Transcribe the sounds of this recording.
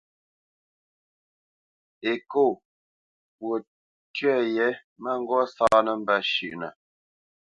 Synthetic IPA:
e˨ko˦˨ | pwo˨ | tɥɛ˦˨jɛ˨˦ | mə˦ŋ˦ɡɔ˦saː˦nə˨m̩˦bə˦ʃʉ̰˨ʔnə˨

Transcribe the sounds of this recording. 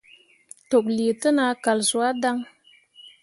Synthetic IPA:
to˨kli˨tɨ˦na˨˦ka˨lzu˨a˦da˦ŋ

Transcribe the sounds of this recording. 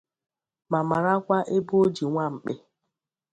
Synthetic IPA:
ma˨ma˨ɾa˦kʷa˦ʔe˦bo˦o˦d͡ʒi˨ŋʷa˦ŋ͡m̩˨k͡pe˦

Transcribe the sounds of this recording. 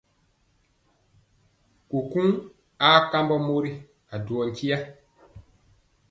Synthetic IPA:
ku˨kũ˦ŋ | aː˦ka˦mbɔ˦mo˦ɾi˦ | a˨du˨ɔ˨nki˦ja˦

